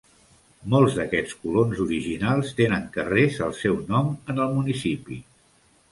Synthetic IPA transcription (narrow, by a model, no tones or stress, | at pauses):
molˠzðəkɛt͡skulonzuɾiʒinalˠst̪enəŋkərezəlˠsɛwnɔmənəlˠmunisipi